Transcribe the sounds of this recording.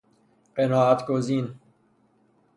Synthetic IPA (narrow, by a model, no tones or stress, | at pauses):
qenaːat̪kozin